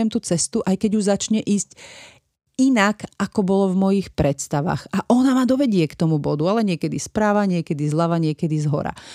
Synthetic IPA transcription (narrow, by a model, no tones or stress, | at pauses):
ɛmt̪uːt͡sɛst̪uʔajkɛɟuzat͡ʃɲɛʔiːsc | inakakɔbɔlɔvmɔjixpɾɛt̪st̪aʋa̰ɣaʔɔnamaːd̪ɔʋɛɟɪɛkt̪ɔmubɔd̪ualɛɲɪɛkɛd̪ispɾaːʋaɲɪɛkɛd̪izlaʋaɲɪɛkɛd̪izɦɔ̰ɾa̰